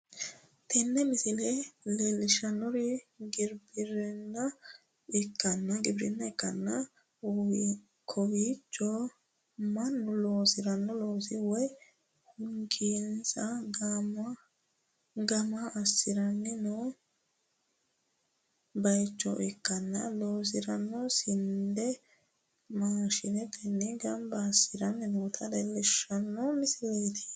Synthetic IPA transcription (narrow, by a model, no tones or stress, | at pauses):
t̪ɛnːɛmɪsɪlɛlelɪʃɐnːɔɾɪɡɪɾbɪɾɛnːɐ | ɪkːɐnːɐɡɪbɾɪnːɐɛkːɐnːɐ | uw | kʰɔwiːt͡ʃːɔ | mɐnːʊloːsɪɾɐnːɔlo̞ːsɪwɔj | hʊŋkiːnsɐɡm | ɡɐmaʔːsːɪɾɐnːɛnoː | bɐjt͡ʃːɔ̰ʔɪkːɐnːɐ̰loːs̬ɪɾɐnːɔsɪnd̪ɛ | maːʃɪnɛt̪ɛnːɛɡɐmbaːsɪɾɐnːɪnoːt̪ʰɐdɛlɛʃːɐnːɔmɪsɪlejd̪e̥ː